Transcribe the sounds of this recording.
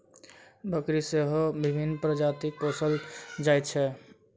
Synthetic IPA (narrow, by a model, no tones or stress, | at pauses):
bʱəkɾiseɦobibʱinːpɾəd͡ʒat̪ik̚posəld͡ʒajt̪̚t͡ʃʰɛ